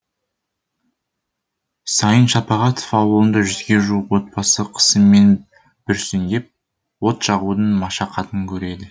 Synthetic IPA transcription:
sɑjənʃɑpɑʁɑt̪o̥fɑwəlˠənd̪ɑʒʏzɡʲe̞ʒuəqwo̞t̪̚pɑsəqʰə̥səmːe̞n | b̥ʏɾsʏnd̪ʲe̞p̚ | wo̞t̪ʃɑʁud̪əɴmɑʃɑqʰɑt̪əŋkʲʰɵɾe̞d̪ɪ

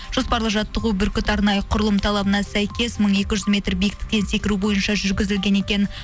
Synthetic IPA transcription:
ʒ̥o̞spɑɾlˠəqʒɑt̪ːəʁubʏɾkʲɪt̪ɑɾnɑjəqʰʊɾəlˠəmt̪ʰɑlˠɑbənɑsæjkʲe̞sməɴe̞kʲɪʒʏzmʲe̞t̪rbijɪk̚t̪ɪ̥k̚t̪e̞nse̞kʲɪɾubo̞jənʃɑʒʏɾɡʲɪzɪlɡʲe̞ne̞kʲe̞n

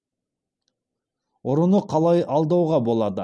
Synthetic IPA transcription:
oɾunuqʰɑlˠɑjɑlˠd̪ɑwʁɑbo̞lˠɑd̪ə

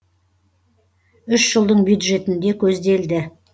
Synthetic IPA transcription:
ʏʃʒəlˠd̪əɴbjud̪ʒe̞t̪ɪnd̪e̞kʲʰɵzd̪e̞ld̪ɪ

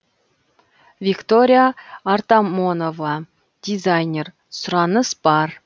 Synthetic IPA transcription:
vʲikt̪oɾʲijaːrt̪ɑmonovɑ | d̪̥ʲizajnʲer | sʊɾɑnəsb̥ɑr

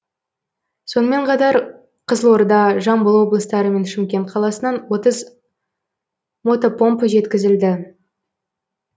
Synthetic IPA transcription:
so̞nəme̞ɴqʰɑt̪ɑɾ | qʰəzəlˠwo̞ɾd̪ɑʒɑmbəlˠwo̞blˠəst̪ɑɾəme̞nʃɪmkʲe̞nt̪̚qʰɑlˠɑsənɑnwo̞t̪əz | mo̞t̪opo̞mpʒe̞t̪kʲɪzɪld̪ɪ

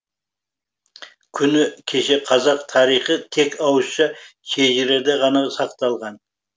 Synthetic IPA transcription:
kʲʰʏnɪkʲʰe̞ʃe̞qʰɑzɑq̚t̪ʰɑɾijχət̪ʰe̞kɑwəsʃɑʃʰeʒɪɾed̪eʁɑnɑsɑqt̪ɑlˠʁɑn

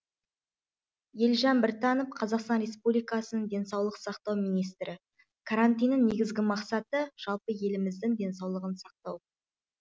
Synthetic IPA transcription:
jelʒɑnbɪɾt̪ɑnofqʰɑzɑqst̪ɑnɾʲe̞spublijkɑsənəɴd̪e̞nsɑwlˠəqsɑqt̪ɑwmijnijst̪ɾʔɪ | kʰaɾant̪ijnːɪŋne̞ɡʲɪzɡʲɪmɑqsɑt̪əʒ̥ɑlˠpəje̞lɪmɪzd̪ɪŋd̪ʲe̞nsɑwlˠəʁənsɑq̚t̪ɑw

